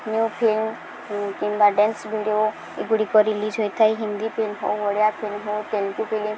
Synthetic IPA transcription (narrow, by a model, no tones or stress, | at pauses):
njupʰilm | kimbaɖensbʱiɖjo | eɡuɽikɔɾilid͡ʒɦojt̪ʰajɦind̪ipʰilmɦo̰wɔɽjapʰilmɦowt̪elkupʰilim